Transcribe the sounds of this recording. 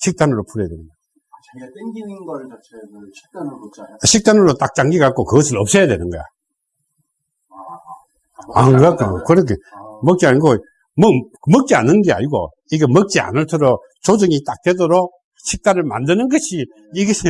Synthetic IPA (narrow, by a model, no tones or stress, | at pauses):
ɕʰik̚t͈anɯɾopʰuɾjad̪wenɯnɡʌj | ɕʰik̚t͈anɯɾot͈ak̚t͡ɕ͈aŋɡiɡak͈̚okɯɡʌs̬ʰɯɭʌp̚s͈ʌjadwenɯnɡʌ̰jo̰ | a̰kɯkakokɯɾʌkʰemʌk̚t͡ɕ͈iaɲiɡo | mʌmʌk̚t͡ɕ͈ia̰nɯnɡea̰ɲiɡo̰ | iɡemʌk̚t͡ɕ͈ia̰nɯɭtʰɯɾo | t͡ɕod͡ʑɯŋitak̚t͈wedoɾok̚ | ɕʰik̚t͈anɯɭmandɯnɯnɡʌɕʰi | iɡe